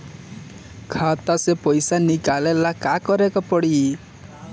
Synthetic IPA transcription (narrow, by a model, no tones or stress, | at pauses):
kʰat̪asepɔjsanikalelakakɔɾekɔpɔɽi